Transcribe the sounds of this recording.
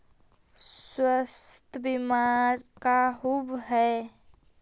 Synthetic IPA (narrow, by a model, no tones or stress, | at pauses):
sswəst̪ʰəbimaːɾkaɦubɦɛː